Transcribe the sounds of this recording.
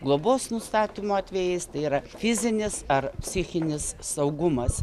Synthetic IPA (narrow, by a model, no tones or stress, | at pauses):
ɡlˠoːboːssnʊst̪ɑːt̪ʲimoːɑt̪ʲʋʲejɛɪst̪ɐɪiːɾɐfʲɪzʲɪnʲɪsɐrpʲsʲɪxʲɪnʲɪssɐʊɡʊmɐs